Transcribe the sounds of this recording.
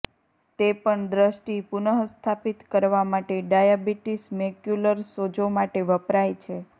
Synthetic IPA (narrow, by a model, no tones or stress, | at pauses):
t̪epəɳd̪ɾəʃʈipunəɦst̪ʰapit̪kəɾʋamaʈeɖajabiʈismekjuləɾsod͡ʒomaʈeʋəpɾajt͡ʃʰe